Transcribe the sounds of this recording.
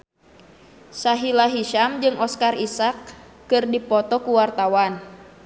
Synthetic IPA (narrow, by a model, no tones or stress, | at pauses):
saɦilaɦiʃamd͡ʒɨŋʔɔskarisakː | ɨrdipɔt̪ɔkuwart̪awan